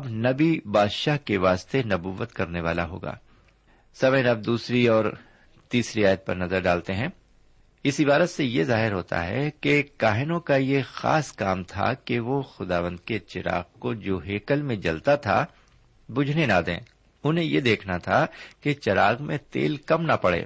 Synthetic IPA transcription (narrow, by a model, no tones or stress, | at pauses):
ɐbnɐbibaːd̪ʃaːɦkeʋaːst̪enɐbuːʋət̪kɐɾneʋaːla̰ɦo̰ːɡa̰ː | sɐməjnɐb̚d̪uːsɾiɔːɾ | t̪iːsɾiaːjət̪̚pɐ̰ɾnɐzəɾɖaːlt̪eɦɛ̃ː | ɪsibaːɾət̪sejezaːɦɪɾɦoːt̪a̰ɦɛ̰kekaːɦɪnõkajexa̰ːskaːmt̪ʰa̰keʋoxʊd̪aːʋə̃nd̪ket͡ʃɪɾa̰ːɣkod͡ʒoːɦeːkəlmẽd͡ʒɐ̰lt̪at̪ʰa̰ | bʊd͡ʒʱnenad̪ḛ̃ː | ʊnɦẽjed̪eːkʰnat̪ʰaket͡ʃɐɾaːɣmẽt̪ḛːlkɐmnapɐɽḛː